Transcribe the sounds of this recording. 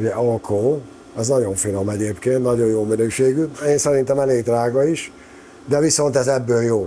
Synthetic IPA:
uɟɛʔɒlkʰoː | ɛznɒɟo̞ɱfilomɛɟeːpkeːnt̪nɒɟo̞jjoːminøːʃeːɡyeːnsɛɾint̪ɛmɛleːɡd̪raːɡɒiʃ | d̪ɛviso̞nt̪ɛzɛbːøːljoː

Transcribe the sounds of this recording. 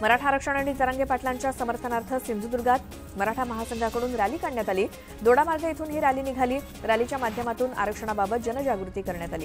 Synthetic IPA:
məɾaʈʰaːɾəkʂəɽ̃əɽiːd͡zəɾãŋɡepaʈlaɲt͡ɕjasəməɾt̪ʰənaɾt̪ʰəsind͡z̪ud̪uɾɡat̪ | məɾaʈʰaməɦasəŋɡʱakəɽuːnɾaliːkaɳɳjat̪aliː | d̪oɽamaɾɡəjit̪ʰuːnɦiːɾaliːniɡʱaliː | ɾalit͡ɕjamad̪ʱjəmat̪uːna̰ɾəkʂəɽ̃ababət̪̚d͡ʑənəd͡ʑaɡɾut̪iːkəɾɳjat̪aliː

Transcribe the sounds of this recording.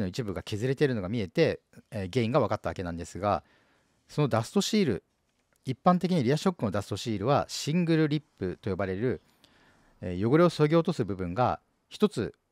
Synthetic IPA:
no̞it͡ɕibɯ̟ɡakʲe̞zɨɾe̞t̪e̞ɾɯ̟no̞ɡamʲie̞t̪e̞ | ɡe̞ːĩŋɡaβ̞akat̪ːaβa̰ke̞nãnd̪e̞sɨɡa̰ | so̞no̞d̪asɨ̥t̪o̞ɕiːɾɯ̟̰ | ipːãnt̪̬e̞k̬ʲiɲ̟iɾʲiaɕo̞kːɯ̟no̞d̪asɨ̥t̪o̞ɕiːɾɯ̟βaɕĩŋɡɯ̟ɾɯ̟ɾʲipːɯ̟t̪o̞jo̞baɾe̞ɾɯ̟ | ejo̞ɡo̞ɾʲio̞soɡʲoːt̪o̞sɨbɯ̟bɯ̟̃ŋɡa̰ | çi̥t̪o̞t͡sɨ

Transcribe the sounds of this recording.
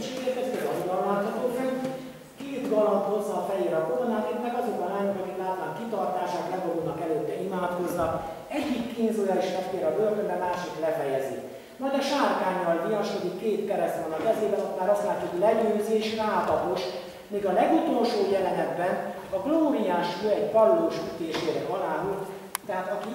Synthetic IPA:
t͡ʃeːɡɛɛst̪ɛzɒɦuɡ̪ɒllaːt̪hɒt̪oːfɛj | keːt̪ɡɒlɒnt̪ho̞zːɒːfɛjeːɾɒɡolnaːneːt̪mɛɡɒzokɒnaːnukɒkik̪laːt̪naːŋkit̪ɒrt̪aːʃaːk̪lɛbod̪uːnɒkɛløːt̪ːɛimaːt̪ko̞znɒk | ɛɟːikːiːnzujaːliʃmɛkt̪ːeːɾɒbørt̪ømbɛmaːʃiklɛfɛjɛzḭ | mɒjd̪ɒʃaːrkaːɲːɒlmijɒʃkod̪ikkːeːt̪kɛɾɛst̪ʋonɒkɛzeːbɛnɒt̪maːɾɒst̪laːɛt̪ːuhoɟlɛɟøːzeːʃraːt̪ɒɦoʃ | miːɡɒlɛɡut̪o̞lʃoːjɛlɛnɛd̪bɛn | ɒɡloːmijaːʃøɛɟpɒlloːʃyt̪eːʃeːɾɛɒlaːɦult̪ | t̪ɛɦaːt̪ɒki

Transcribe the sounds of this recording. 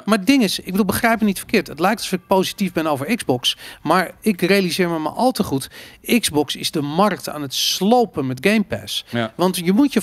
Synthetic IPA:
madɪŋɪsɪɡ̚bədulˠbəχrɛjpənitfə̥kɪːtətlɛjktɔsofɪk̚powsitivbɛnowvəɹɪɡzbɔksmaɹɪkrejalizɪːɹməma̰ʔɔlˠtəχutɪɡzbɔksɪzdəmɑrk̚ta̰ːnətslowpənmɛtɡejmpɛ̰sʋɑntjəmutjə

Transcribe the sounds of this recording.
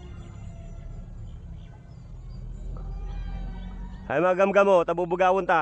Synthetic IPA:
hajmaɡamɡamot̪abʊbʊɡawʊnt̪a

